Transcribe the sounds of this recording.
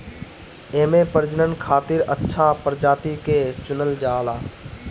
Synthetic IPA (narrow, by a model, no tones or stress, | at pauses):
eːmepəɾd͡ʒənənkʰaːt̪iɾətːʃʰapəɾd͡ʒaːt̪iket͡ʃʊnəld͡ʒaːlaː